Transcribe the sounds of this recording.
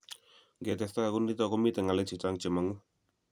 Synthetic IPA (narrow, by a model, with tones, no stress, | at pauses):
ŋɡe˨tɛ˨sta˦a˨kʊ˦ndi˦tɔ˦kɔ˦mi˦t̪ɛ˨ŋa˨lɛ˦t͡ʃɪ˨t͡ʃa˦ŋt͡ʃe˨ma˨ŋu˦